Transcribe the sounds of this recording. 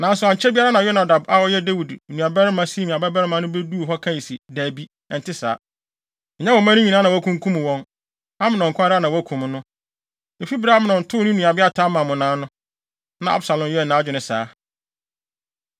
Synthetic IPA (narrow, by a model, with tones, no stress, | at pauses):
nã˨˦n˦sʊ˨a˨ɲ̩˨t͡ɕʰɛ˦bi˦a˦ɾa˦nã˨jɔ˦na˨da˨ba˦wɔ˦jɛ˦de˦wi˨dnũ˨a˨bɛ˦ɾɪ˦mã˦si˦mĩ˨a˨bɛ˦bɛ˦ɾɪ˦mã˦nʊ̃˦be˦du˦˨ɦɔ˦kʰã˦ji˨si˨dæ˨bi˦ | ɛ˨n˨tʰɪ˦sa̰ː˨˦˨ | ɲɛ̃˦wɔ˨˦mã˦nʊ̃˦ɲĩ˨nã˦nã˨wɔ˨æ˦kʰũ˦ŋ˦kʰũ˦m̃˨wɔ̃˦n | ã˦mɪ̃˦˨nɔ̃˨ŋ˨kʰʷã˦ɾa˦nã˨wæ˦kʰũ˨m˦nʊ̃˦ | e˨fi˦bɾa˦mɪ̃˨nɔ̃˨n̩˨tʰʊː˦nʊ̃˦nũ˨a˨ba˦tʰaː˦mã˨mʊ̃˨nãː˨˦nʊ̃˦ | nã˨ʔa̰˦bsa˨lɔ̃˨m˨jɛ˦˨nã˦d͡ʑᶣɪ˨nɪ̃˨saː˨˦